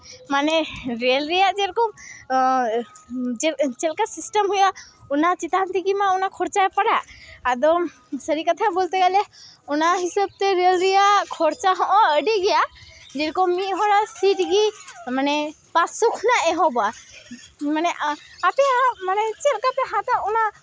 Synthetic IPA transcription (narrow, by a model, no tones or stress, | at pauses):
manɛɾiəlɾɛjaʔd͡ʒɛɾkɔ | d͡ʒɛt͡ʃɛlkasisʈəmɦujaʔunat͡ʃit̪ant̪iɡimaunakʰɔɾt͡ʃaɛpaɽaʔad̪ɔ | səɾikat̪ʰabɔlt̪ɛɡalɛunaɦisəb̚t̪ɛɾiəlɾijaʔkʰɔɾt͡ʃaɦɔ̃ʔɔ̃əɖiɡɛjaʔd͡ʒɛɾkɔmmiɦɔɾasiʈɡimanɛ | pasukʰnaʔɛɦɔ̃bɔa | manɛʔapɛjamanɛt͡ʃɛlkat̪ɛɦãt̪auna